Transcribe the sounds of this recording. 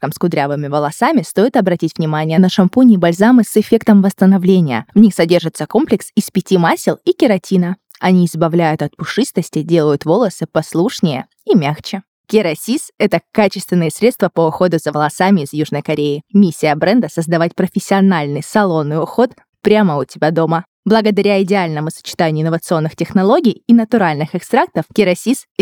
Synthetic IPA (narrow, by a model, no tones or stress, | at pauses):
əmskʊd̪ɾʲavɨmʲɪvəlˠɐsamʲɪst̪o̞jɪt̪ɐbɾɐtʲitʲvnʲɪmanʲɪjənəʂɐmpunʲɪbɐlʲzamɨsɪfʲe̞kt̪əmvəst̪ənɐvlʲenʲɪjə̰vnʲixsɐdʲe̞rʐɨt̪sːəko̞mplʲɪksispʲɪtʲimasʲɪlˠikʲɪɾɐtʲinə | ɐnʲiɪzbɐvlʲæjʊt̪ɐt̪̚pʊʂɨst̪əsʲtʲɪdʲe̞lˠəjʊt̪vo̞lˠəsɨpɐslˠuʂnʲɪjə | imʲaxt͡ɕɪ | kʲɪɾɐsʲisɛt̪əkat͡ɕɪst̪vʲɪnɨjəsɾʲet̪st̪vəpəʊxo̞d̪ʊzəvəlˠɐsamʲɪːzjuʐnəjkɐɾʲeɪmʲisʲːɪjəbɾɛnd̪əsəzd̪ɐvatʲpɾəfʲɪsʲːɪɐnalʲnɨjsɐlˠo̞nːɨjʊxo̞t̪ | pɾʲaməʊtʲɪbʲad̪o̞mə | blˠəɡəd̪ɐɾʲaɪdʲɪalʲnəmʊsə̥t͡ɕɪ̥t̪anʲɪʊɪnːəvət̪sɨo̞nːɨxtʲɪxnɐlˠo̞ɡʲɪjɪnət̪ʊɾalʲnɨxɛkst̪ɾak̚t̪əfkʲɪɾɐsʲis